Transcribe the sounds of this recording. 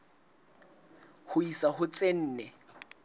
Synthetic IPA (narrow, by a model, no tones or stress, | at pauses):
hʊisahʊt͡sʼen̩ːnɛ